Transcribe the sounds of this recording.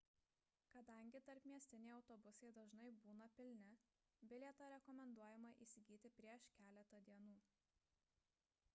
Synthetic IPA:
kɐd̪ɐŋʲɡʲɪt̪ɐɾpmʲiɛsʲt̪ʲɪnʲɛɪɒʊt̪ɔbʊsɐɪd̪ɐʒnɐɪbuːnɐpʲɪlʲnʲɛ | bʲɪlʲɛt̪oːɾʲɛkɔmʲɛnd̪uɔjɛmɐʔiːsʲɪɡʲiːt̪ʲɪpʲɾʲiɛʃkʲæːlʲɛt̪ɐd̪ʲiɛnuː

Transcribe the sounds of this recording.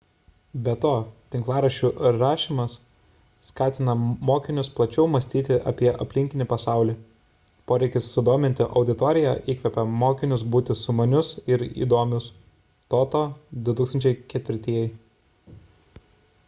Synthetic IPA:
bʲɛt̪oːt̪ʲɪŋklˠɑːɾɐʃʲuːɾɑːʃʲiːmɐsː | kɑːt̪ʲɪnɐmoːkʲɪnʲʊsplˠɐt͡ʃʲɛʊmɐsʲt̪ʲiːt̪ʲɪʔɐ̰pʲiɛʔɐpʲlʲɪŋʲkʲɪnʲɪpɐsɑˑʊlʲiː | poːɾʲɛɪkʲɪsːʊd̪oːmʲɪnʲt̪ʲɪʔɐʊd̪ʲɪt̪ɔːɾʲɪjɛ̰ʔiːkʲʋʲɛpʲɛmoːkʲɪnʲʊs̬buːt̪ʲɪsʊmɐnʲʊsɪɾḭːd̪oːmʲʊs | t̪oːt̪oːd̪ʊt̪uːkst̪ɐnʲt͡ʃʲɛɪkʲɛt̪ʲʋʲɪɾʲt̪ʲiɛjɛɪ

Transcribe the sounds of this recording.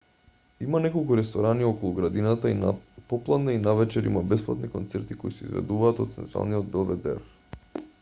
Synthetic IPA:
imanɛkolˠkuɾɛst̪ɔɾaniɔkolˠuɡɾad̪inat̪ainapɔplˠad̪nainavɛt͡ʃɛɾḭmabɛsplˠa̰t̪nikɔnt̪sɛɾt̪ikoisɛḭzvɛ̰d̪uvaːt̪ɔt̪t̪sɛ̰nt̪ɾa̰lˠniɔd̪̚bɛlˠvɛd̪ɛ̰ɾ

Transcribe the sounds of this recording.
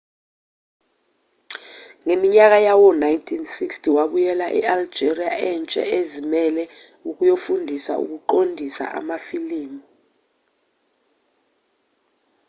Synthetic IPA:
ŋemiɲak̬ajawɔnajntʰinsikstʰiwaɓujɛlaʔɛ̰ald͡ʒʱeriaʔɛnt͡ʃʼɛ̰ezimɛlɛ | uk̬ʼujofundʱisa̰ṵk̬uǃondʱisa̰ʔa̰mafiliːmi

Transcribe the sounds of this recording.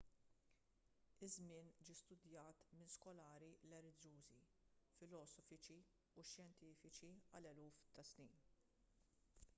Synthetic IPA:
ɪzmɪːnd͡ʒiːst̪ʊd̪jɐːt̪mɪnskɔlɐːɾilɛlɪd͡ʒuːzi | fɪlɔːsɔfɪt͡ʃi | uʃjɛnt̪iːfɪt͡ʃiɐlɛluːft̪ɐsniːn

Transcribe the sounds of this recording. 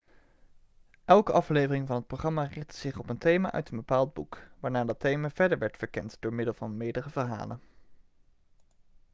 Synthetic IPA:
ʔɛlˠkəʔɑflejvərɪŋvɑnət̚proχrɑmarɪχtə̥z̥ɪχɔpəntejma̰ːʔœ̰ɥtənbəpaːlˠd̚bukʋaːɹnaːdɑtejmaːv̥ɛɹdəɹʋɛɹtfəɹkɛntdʊːɹmɪdəlˠvɑnmɪːdərəvəɹɦa̰ːlən

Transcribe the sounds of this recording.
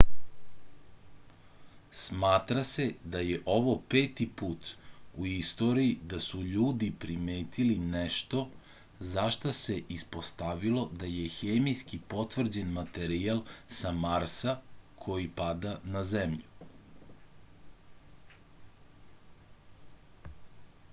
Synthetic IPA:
smaːt̪ɾase̞d̪ajeʔo̞ʋo̞peːt̪ipuːt̪uist̪o̞ɾijid̪asuʎuːd̪ipɾimeːt̪ilineʃt̪o̞ | zaʃt̪ase̞ʔispo̞st̪aʋilˠo̞d̪aje̞xeːmijskipo̞t̪ʋr̩d͡ʑenmat̪eɾialˠsamaɾsakʰo̞jipad̪anazemʎu

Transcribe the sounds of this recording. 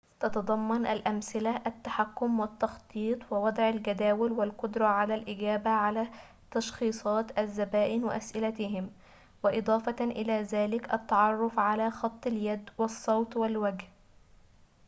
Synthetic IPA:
t̪ɑt̪ɑd̪ˤɑmːɑnʔalʔamsɪlaʔat̪ːaħakːʊmwɪt̪ːɑxt̪ˤiːt̪ˤwɪwɑd̪ˤʕalɡad̪aːwɪlwɪlqʊd̪ɾˤɑʕalaːlʔɪɡæːbaʕalaː | t̪ɑʃxiːsˤɑːt̪ʔazːabaːʔɪnwɪʔasʔɪlat̪ɪɦɪm | wɪʔɨd̪ˤɑːfɑʔɪlaːðaːlɪkʔɑ̰t̪ːɑʕɑrˤːʊfʕalaːxɑt̪ˤːɪljad̪wɑsˤːɑwt̪ˤwɪlwaɡh

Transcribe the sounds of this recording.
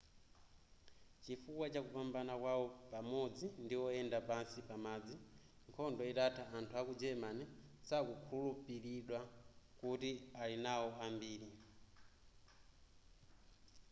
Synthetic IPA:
t͡ʃifuwat͡ʃakupambanakwawɔpamɔd͡zindiwɔɛndapansipamaːd͡zi | ŋkʰɔndɔitatʰaʔːntʰuakud͡ʒɛmanɛsakukʰuulupiɾiɗwakutialinawɔambiːɾi

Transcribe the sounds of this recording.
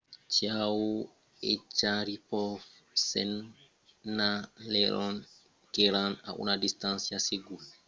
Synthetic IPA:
t͡ʃiawu | ɛt͡ʃaɾipɔf | sɛnː | alɛɾɔn | kɛɾana̰ʔṵnadistansiaseɡul

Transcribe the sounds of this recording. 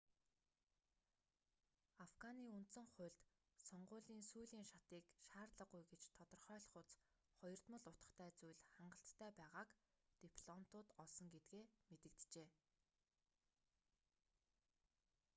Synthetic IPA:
afɡaniːunt̪sɘ̆ŋχʊ̟ːɮt̪ | sɔɴɢʊːɮiːnsujɮiːŋʃat̪iːkʃaːrt̪ɮə̆ɢujɡet͡ɕt̪ʰɔt̪ɞ̆rχœːɮχʊt͡s | χɔjɞ̆r̥t̪mə̆ɮʊt̪ə̆χt̪ʰæːt͡sujɮχaɴɢə̆ɬt̪ːʰæːpæːʁaːkt̪ipʰɮɔmt̪ʊːt̪ɔɮsɞ̆ŋɡet̪ɡeːmet̪ɘ̆k̚t̪t͡ɕeː

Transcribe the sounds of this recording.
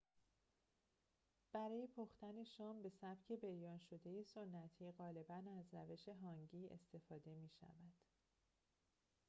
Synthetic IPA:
b̥æɾɒːjepʰoxt̪æne̞ʃɒːmbe̞sæb̥cʰe̞bejɒːnʃo̞d̪e̞jeso̞nːæt̪ʰiːɢɒːle̞bænæzɾæve̞ʃe̞ɦɒːŋɟiːḛst̪e̞fɒːd̪e̞miːʃæ̰væd̪̥

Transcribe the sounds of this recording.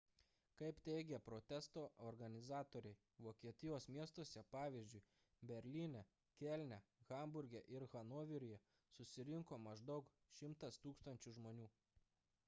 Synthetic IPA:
kɐɪpt̪ʲɛɪɡʲɛpɾot̪ʲɛst̪oːʔoɾɡɐnʲɪzɑːt̪oːɾʲɛɪ | ʋoːkʲiɛt̪ʲɪjoːsmʲiɛst̪oɔsʲɛpɑːʋʲɪzʲd͡ʒʲʊɪ | bʲɛɾʲlʲinʲɛ | kʲɛlʲnʲɛɣɐˑmbʊɾʲɡʲɛʔɪɾɣɐnoːʋʲɪɾʲʊjɛ | sʊsʲɪɾʲɪŋkoːmɐʒd̪ɐʊk | ʃʲɪmt̪ɐst̪uːkst̪ɐnʲt͡ʃʲʊʒmoːnʲuː

